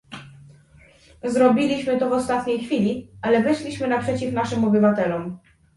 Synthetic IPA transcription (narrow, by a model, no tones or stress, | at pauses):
zɾɔbʲilʲiɕmɘt̪ɔvɔst̪at̪ɲejxfʲilʲiʔalɛvɛʂlʲiɕmɘnapʂɛt͡ɕifnaʂɘmɔbɘvat̪ɛlɔm